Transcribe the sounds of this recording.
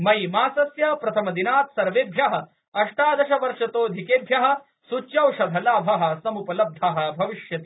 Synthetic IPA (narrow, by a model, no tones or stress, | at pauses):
mɐjmaːsɐsjaːpɾɐt̪ʰɐmɐd̪inaːt̪sɐɾʋeːd̪ʱjɐɦɐ̆ | ɐʂʈaːd̪ɐʃɐʋɐɾʂɐt̪oːd̪ʱikeːd̪ʱjɐɦɐ̆ | sut͡ʃːjɐwʃɐd̪ʱɐlaːbʱɐɦɐ̆sɐmupɐlɐb̚d̪ʱaɦɐ̆bʱɐʋiʃjɐt̪i